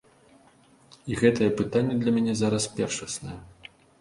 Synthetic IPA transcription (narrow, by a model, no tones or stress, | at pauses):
iɣɛt̪ɐjɛpɨt̪anʲːɛd̪lʲɐmʲɛnʲɛzaɾɐspʲɛrʂɐsnɐjɛ